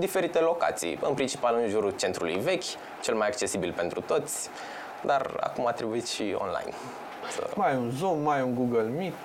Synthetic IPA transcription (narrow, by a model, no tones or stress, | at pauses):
d̪ife̞ɾit̪e̞lo̞ka̰t̪sḭjɨnpɾint͡ʃi̥palɨnʒuɾut͡ʃe̞nt̪ɾulṵjve̞kʲ | t͡ʃe̞lmajakt͡ʃe̞sibilpe̞nt̪ɾut̪o̞t̪sʲ | d̪ara̰kumat̪ɾebuit̪ʃio̰nla̰jn | sə̰majunzummajuŋɡuɡəlmit̪